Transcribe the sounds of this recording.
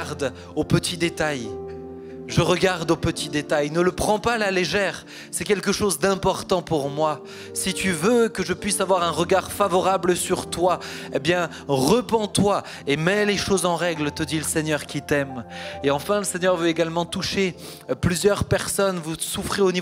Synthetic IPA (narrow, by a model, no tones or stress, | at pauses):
ʁd̪ | opət̪id̪et̪aj | ʒəʁəɡaʁd̪opət̪id̪et̪ajnələpχɑ̃palaleʒɛʁ | sɛkʲɛlkəʃozd̪ɛ̃pɔʁt̪ɑ̃puʁmwa | sit̪yvøkəʒəpɥisavwaʁɛ̃ʁəɡaʁfavɔʁabləsyʁt̪waebjɛ̃ | ʁəpɑ̃t̪wa | emɛleʃozɑ̃ʁɛɡlt̪əd̪iləsɛɲœʁkʲit̪ɛmeɑ̃fɛ̃ləsɛɲœʁvøeɡalmɑ̃t̪uʃe | plyzjœʁpɛʁsɔnvusufχeoni